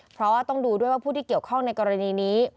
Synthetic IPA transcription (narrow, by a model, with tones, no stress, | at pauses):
pʰɾɔ˦˥waː˥˩t̪ɔ˥˩ŋduː˧du˥˩jwaː˥˩pʰuː˥˩iː˥˩ki˨˩əwkʰɔ˥˩ŋna˧jkɔː˧ɾa˧niː˧niː˦˥